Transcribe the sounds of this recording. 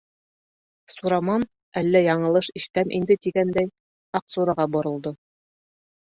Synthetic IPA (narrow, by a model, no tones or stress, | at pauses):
suɾɑmɑn | ælːæjɑɴɤ̆lˠɤʃiʃt̪æmʔḭnd̪ɘt̪iɡænd̪æj | ɑqsuɾɑʁɑbŏɾɤ̆lˠd̪o